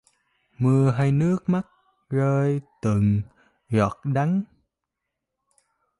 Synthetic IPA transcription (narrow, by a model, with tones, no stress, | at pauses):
mɨ˧əɦaː˧jnɨ˦˥ək̚ma˦˥t̚ | zəː˧jt̪ɨ˨˩ŋ | zɔ˨˩t̚ɗa˨˦ŋ